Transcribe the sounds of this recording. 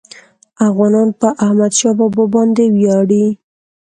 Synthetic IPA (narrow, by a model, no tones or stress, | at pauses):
afɣɑnɑnpəʔahmad̪ʃɑbɔbɔbɑnd̪ewjɑɽi